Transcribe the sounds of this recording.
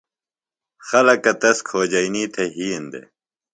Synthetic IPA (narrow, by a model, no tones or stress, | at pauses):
xɐlɐkːɐt̪ɐskʰoːd͡ʑɐiniːt̪ʰɐɦiːend̪ḛ